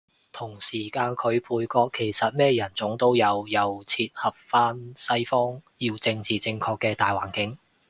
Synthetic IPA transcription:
t̪ʰʊ˨˩ŋsiː˨˩kaː˧nkʰɵ˨˧ɥpʰuː˧jkɔː˧kʰːe˨˩jsɐ˨t̚mɛː˥jɐ˨˩nt͡sʊ˨˥ŋt̪o˥wjɐ˨˧wjɐ˨˧wt͡sʰiː˧t̚hɐ˨p̚faː˥nsɐ˥jfɔː˥ŋjiː˧wt͡sɪ˧ŋt͡siː˨t͡sɪ˧ŋkʰɔː˧kːɛː˧t̪aː˨jwaː˨˩nkɪ˨˥ŋ

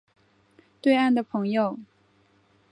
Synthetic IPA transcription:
t̪we˥˧ɪa˥˩nd̪ə˩pʰɤ˧˥ŋjo˨˩ʊ

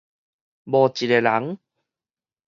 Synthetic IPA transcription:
bɔ˧t͡ɕi˨˩e˨la˨˦ŋ

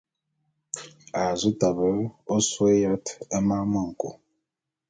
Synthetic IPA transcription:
a˨zu˦ta˨bə˦o˦swe˦ja˦tə˦ma˦mə˦˨ŋ̩˨ko̰˨

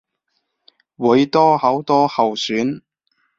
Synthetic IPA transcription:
wu˨˧˥jt̪ɔː˥hɐ˨˥wt̪ɔː˥hɐ˨wsyː˨˥n

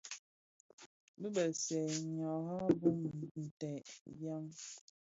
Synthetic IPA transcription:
bi˦bə˨sɛ˨ɲɔ˨ɦa˦bu˦m̩˨n̩˨tɛ˨ja˦ŋ

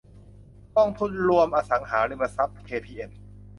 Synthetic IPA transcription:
k̪ɔ˥˩ŋt̪ʰu˥˩nɾu˧əmʔaː˧sa˩˦ŋɦaː˩˦ɾiː˧˩ma˧sa˦˥p̚kʰeː˧pʰiː˧ʔe˧n

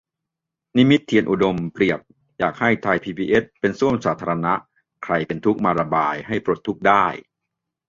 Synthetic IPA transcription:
ni˦˥mi˦˥t̪ʰːi˧ənʔu˨˩do˧mpɾi˨˩əp̚ | jaː˨˩k̚ha˥˩jt̪ʰa˧jpʰiː˧biː˧ʔe˦˥t̚pe˧nsu˥˩əmsaː˩˦t̪ʰaː˧ɾa˧na˦˥ʔ | kʰɾa˧jpe˧nt̪ʰu˦˥k̚maː˧ɾa˧baː˧jɦa˥˩jpɾu˨˩t̪ʰːu˦˥k̚daː˥˩j

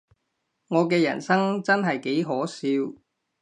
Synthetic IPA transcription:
ŋɔː˨˧kɛː˧jɐ̰˨˩nsɐ˥ŋt͡sɐ˥nɦɐ˨jke˨˥jɦɔː˨˥siː˧w

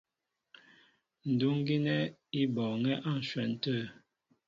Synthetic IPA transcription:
n̩˨du˦ŋ˦ɡi˦nɛ˦i˦bɔ˨ŋɛ˦ʔa˦˨n̩˨ʃwɛ˨n˨tə˦˨

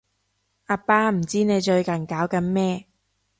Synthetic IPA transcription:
ʔaː˧paː˥m̩˨˩t͡siː˥ne˨˧jt͡ʃɵ˧ɥkɐ˨˩nkaː˨˥wkɐ˨˧˥nmɛː˥

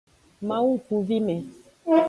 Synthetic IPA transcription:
mã˦wu˦˨ku˨vi˦me˨˦

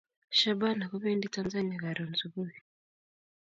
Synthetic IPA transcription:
ʃa˦ba˦na˨ku˦βeː˦nditanza˦ni˦a˨ɣa˨ɾo˨nzuβuβi˨

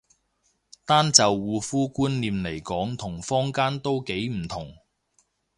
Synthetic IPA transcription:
t̪aː˥nt͡sɐ˨wːuː˨˧fuː˥kuː˥nliː˨mle˨˩jkɔː˨˥ŋt̪ʰʊ˨˩ŋfɔː˥ŋkaː˥nt̪o˥wke˨˥jm̩˨˩t̪ʰʊ˨˩ŋ

